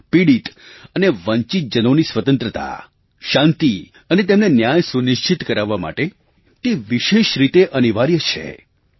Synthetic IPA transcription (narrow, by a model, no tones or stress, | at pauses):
piɽit̪əneʋə̃ɲt͡ʃit̪̚d͡ʒənonisʋət̪ə̃nt̪ɾət̪a̰ | ʃãnt̪i | ənet̪̬emnenjajsuniʃt͡ʃit̪kəɾaʋːama̰ʈe | t̪eʋiʃeʃɾit̪eʔəniʋaɾjət͡ʃʰḛ